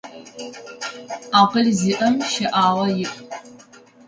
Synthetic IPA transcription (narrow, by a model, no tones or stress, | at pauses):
aːqəɮziːʔɐmʃɐʔaːʁɐjɪʔ